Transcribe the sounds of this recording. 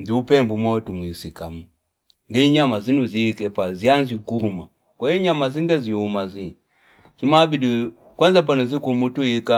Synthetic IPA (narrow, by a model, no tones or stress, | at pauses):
diupɛmbumwɔtumwisikamu | ŋɡiɲamazinuzikɛpazianzikuuma | kwaiɲamaziŋɡaziumazi | simabidu | kwanzap̬anuzikumutuika